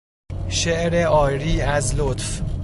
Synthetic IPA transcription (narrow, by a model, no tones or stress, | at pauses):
ʃeʔɾeɒːjɾiːæzlot̪f